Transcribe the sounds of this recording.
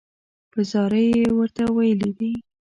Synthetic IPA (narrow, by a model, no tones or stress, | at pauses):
pəzɑɾəjewəɾt̪awajəlid̪i